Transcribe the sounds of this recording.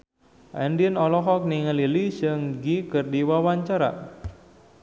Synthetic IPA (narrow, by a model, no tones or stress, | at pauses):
ʔɛ̰ndiənɔlɔɦɔk̚niŋəlilisəŋɡikərdiwawaɲt͡ʃaɾa̰